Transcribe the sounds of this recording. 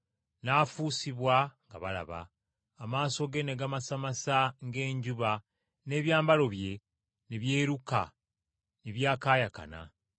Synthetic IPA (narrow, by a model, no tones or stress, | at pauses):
naːfuːsiβwaŋɡa̰βala̰βa̰ː | maːso̞ɡe̞neɡamasamasaŋɡe̞ːɲɟuβa | ne̞βjaːmbalo̞βje̞ | niβje̞ːɾuka | niβjaːkaːjaka̰na̰